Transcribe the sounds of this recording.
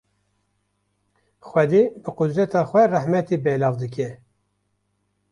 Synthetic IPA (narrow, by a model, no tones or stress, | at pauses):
xwɛd̪eːbɨqʊd̪ɾɛt̪ɑːxʷɛrɛhmɛt̪iːbɛːlɑːvd̪ɨk̬ɛ